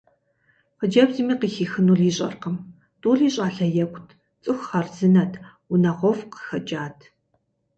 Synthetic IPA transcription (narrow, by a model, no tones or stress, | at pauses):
qəd͡ʒɐbzimiːqiːxiːxɨnuːɮiːɕʼɐ̰rqəm | tʼuːɮiːɕʼaːɬɐjɐkʷʰʼtʰ | t͡sʼɨxʷχɐrzɨnɐtʰ | ʊnɐʁʷɔfqə̥xɐd͡ʒaːtʰ